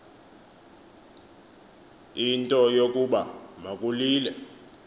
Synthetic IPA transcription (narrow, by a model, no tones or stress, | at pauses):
intʼɔjokʼuɓamakʼuliːlɛ̰